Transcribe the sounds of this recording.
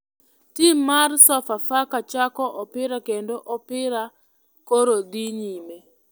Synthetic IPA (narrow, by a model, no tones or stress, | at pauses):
timarsɔfafakat͡ʃakɔʔɔpɪɾakendoʔɔpɪɾa | koɾod̪iɲime